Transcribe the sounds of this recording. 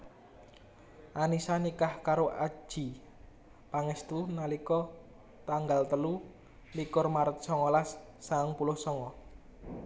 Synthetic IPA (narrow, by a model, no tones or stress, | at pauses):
ʔanisanikahkaɾoʔḁd͡ʒʒ̥i | paŋɛst̪unalikɔ | t̪aŋɡalt̪əlu | likʊrmaɾət̪̚sɔŋɔlasː | aŋpulʊhsɔŋɔ